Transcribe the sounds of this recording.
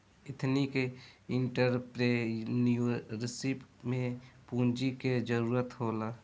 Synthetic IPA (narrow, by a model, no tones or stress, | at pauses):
ɪt̪ʰnikeɪɳʈəɾpɾenuɾɪsipmẽpũːnd͡ʒiked͡ʒəɾuːɾət̪ɦoːlaː